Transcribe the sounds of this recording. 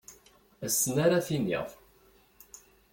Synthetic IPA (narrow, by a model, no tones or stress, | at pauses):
æsːənaɾaθinḭʁˤ